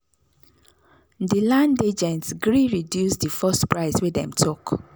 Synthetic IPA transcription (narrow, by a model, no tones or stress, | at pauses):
dilãnded͡ʒɛ̃ntsɡɹiɹidjusdifɔstpɹaɪswedɛ̰̃mtʰuk